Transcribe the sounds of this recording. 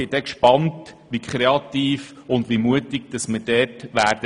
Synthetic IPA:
ɪd̥ɛkʃpɑntʋikʰχɾeɑt̪iːfʊndʋimuətɪɡ̥̚d̥ɑsməd̥ɛːtʋæːɾd̥ə

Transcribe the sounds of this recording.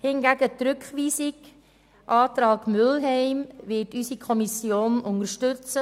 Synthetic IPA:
hɪnɡæɡətɾʏkχʋiːsiɡ | ʔɑːtɾɑːɡmʏlɦɛɪmvɪtysikʰɔmisjoːnʔʊnəɾʃtʏt͡sə

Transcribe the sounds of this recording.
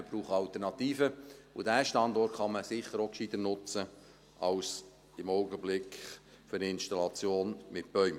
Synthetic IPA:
əb̥ɾuːχəɑlt̪ərnɑt̪iːfəʊdæːʃtɑnd̪ɔrtχɑməsɪχəɾokʃidənʊt͡sə | ʔɑws | ɪmɔʊɡəblɪkχ | føɾɪnʃtɑlɑt͡sjoːnmɪt̚b̥œʏm

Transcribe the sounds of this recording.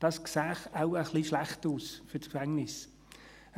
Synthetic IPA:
d̥ɑsksæːχaʊəχliʃlæχtuːsfytkfɛŋnɪs

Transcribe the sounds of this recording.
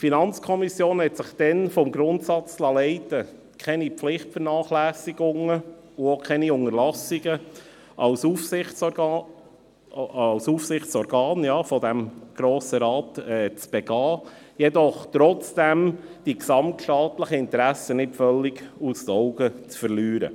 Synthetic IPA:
tfinɑnt͡skʰɔmisjoːnɦɛtsɪχd̥ɛnfɔmɡɾʊnt̪sɑt͡slɑlɛɪtə | kʰɛnipflɪχtfəɾnɑːχlæːsiɡʊŋə | ʊokʰɛniʊŋəɾlɑsiɡə | ʔɑʊsufɪ | ɑwsuːfsɪχt͡sɔɾɡɑːnjɑːfɔd̪æmɡ̥ɾoːsəɾɑːtɛːt͡sb̥ɛɡ̥ɑː | jɛd̪ɔχt̪ɾɔt͡sd̥æmd̥iksɑmtʃtɑːt̪ləχəɪnt̪ɾæsənɪtfœlːɪɡustɔʊɡət͡sfəɾlyːɾə̰

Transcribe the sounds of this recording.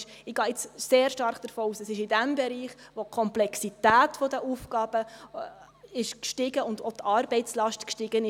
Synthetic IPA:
ʃɪɡ̥ɑːɪt͡sseːɾʃtɑɾχd̥əɾfoːuːsəsɪʃɪdæmbɛɾiːχʋokʰɔmplɛksit̪æːtfod̪əʔufɡɑːb̥ə | ɪʃkʃtɪɡəʊndotʰɑːɾbɛɪtt͡slɑʃtkʃtɪɡ̥ənɪ

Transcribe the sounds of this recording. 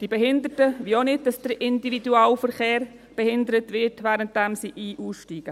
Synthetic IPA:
d̥ibɛɦɪndətəviːonɪt̚d̥ɑsd̥əɾɪndividuaːlfəɾχeːɾ | b̥ɛhɪndəɾətʋɪtvæːɾənt̚d̥ɛmsiʔiːʔuːsʃtiːɡ̥ə

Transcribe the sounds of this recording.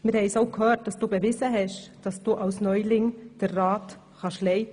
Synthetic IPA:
məɾhɛɪsoʊkhøːt̚d̥ɑsd̥uːbəvɪzəɦɛʃd̥ɑsd̥uːʔaʊsnɔʏlɪŋd̥əɾʁɑːt | xɑʃlɛɪt

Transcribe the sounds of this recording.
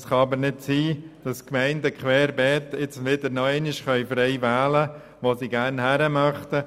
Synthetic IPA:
sχɑɑbəɾnɪtsiːd̥ɑskmɛɪndəkχʋɛːɾbɛːt̪ɪt͡sʋɪdəɾnɔɛɪnɪʃχœʏfɾɛɪʋæːlə | ʋosiɡæɾnhæɾəmɑχtə

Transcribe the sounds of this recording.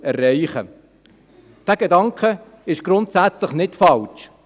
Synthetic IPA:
ɛrːɛɪχə̰ | d̥æːɡ̥edɑŋkχə | ɪʃɡ̥ɾʊntsæt͡sləχnɪtfɑlt͡ʃ

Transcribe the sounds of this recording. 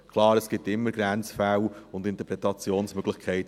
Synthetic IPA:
kʰlɑːɾəsɡ̥ɪp̚tɪmːəɾɡ̥ɾænt͡sfæwʊndɪntəpɾɛtɑt͡sjoːnsmœɡ̥lɪχkʰɛɪt

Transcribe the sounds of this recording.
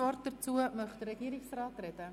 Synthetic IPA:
ɔrt̚dərt͡suəmœχdəɾəɡ̥iːɾɪŋsrɑːtrɛdə

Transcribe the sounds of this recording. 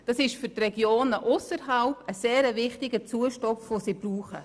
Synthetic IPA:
d̥ɑsɪʃfʏɾtrɛɡjoːnəʔʊsəɾɦalpəseːɾəvɪχtɪɡət͡suəʃtɔfʋosiːb̥ruːχə

